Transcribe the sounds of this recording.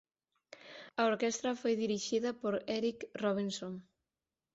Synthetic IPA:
ɐoɾkɛst̪ɾɐfojðiɾiʃiðɐpoɾɛɾikroβ̞insoŋ

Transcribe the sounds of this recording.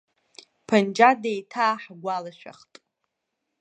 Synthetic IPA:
pʰand͡ʒadejtʰaːħɡʷalaʃᶣa̰χtʼ

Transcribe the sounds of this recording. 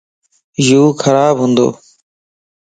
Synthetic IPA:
juːkʰəɾaːbɦũːnd̪o̰ː

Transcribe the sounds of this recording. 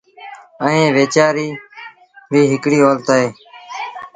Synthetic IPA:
əẽːʋeːt͡ʃaːɾiː | ʋiːɦɪkɽiːoːlt̪aːɦeː

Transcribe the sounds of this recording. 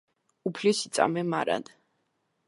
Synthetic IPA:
upʰlisit̪sʼa̰mɛmaɾa̰n

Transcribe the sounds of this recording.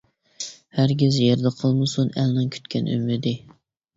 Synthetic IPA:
hæɾɡʲɪzjeɾd̪ɛqʰəlˠmɨsunælnɪŋkʲʰy̥t̪kʲʰɛny̰mːɪd̪ɪ

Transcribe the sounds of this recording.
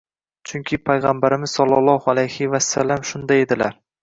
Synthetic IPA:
t͡ʃʰʊŋkʲʰɪpʰajʁambaɾɪmɪz̥sɒlˠːɒlˠːɒhalajhɪvasːa̰lːamʃʊnd̪ajed̪ɪlaɾ

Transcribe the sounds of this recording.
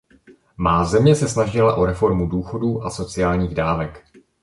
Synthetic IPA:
maːzɛmɲɛsɛsnaʒɪlaʔo̞ɾɛfo̞ɾmuduːxo̞duːʔaso̞t͡sɪjaːlɲiːɣdaːvɛk

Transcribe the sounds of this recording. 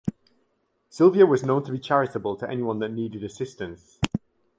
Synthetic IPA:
sɪlˠviəwɒznõʊ̃ntʰəbit͡ʃʰaɹɪtəbəlˠtʰəʔɛnɪwɒ̃nðəʔniːdɪdəsɪstə̃ns

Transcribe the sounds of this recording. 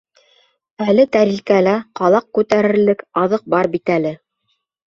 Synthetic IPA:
ælɘt̪æɾilkælæqɑlˠɑq̚kʉt̪æɾɘ̆ɾlɘkɑðɤq̚bɑɾbit̪ælɘ

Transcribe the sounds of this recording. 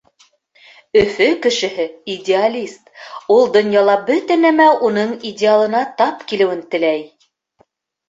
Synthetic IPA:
ɵ̆fɵkɘ̆ʃɘ̆hɘidʲealʲist̪ulˠd̪ŏnjɑlˠɑbɵt̪ɘnæmæʔunɤɴidʲɪalˠɤ̆nɑt̪ɑpkilɘ̆wɘnt̪ɘ̆læj

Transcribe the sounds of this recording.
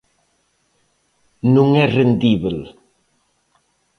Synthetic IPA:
nuŋɛrend̪iβel

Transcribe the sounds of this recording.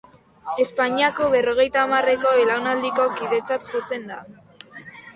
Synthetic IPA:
e̞spaɲiako̞βe̞ro̞ɣ̞e̞jt̪aːmare̞ko̞elawnald̪iko̞kiðe̞t͡sat̪ʝo̞t͡se̞nd̪a

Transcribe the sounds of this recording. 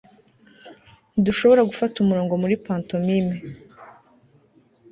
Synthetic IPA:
niduʃo̞βo̞ɾaɡufatumuɾoːŋɡo̞muɾipaːnto̞mime

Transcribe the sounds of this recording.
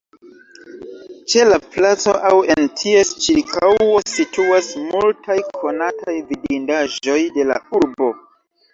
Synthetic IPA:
t͡ʃe̞laplat͡soʔawentʰiest͡ʃiɾkʰawesitʰuasmultʰajkʰo̞natʰajvidindaʒo̞jde̞la̰uɾbo̞

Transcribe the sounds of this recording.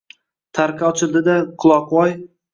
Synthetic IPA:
t̪ʰaɾkʲʰaɒt͡ʃʰɪlˠd̪ɪd̪aqʰʊlˠɒqwɒj

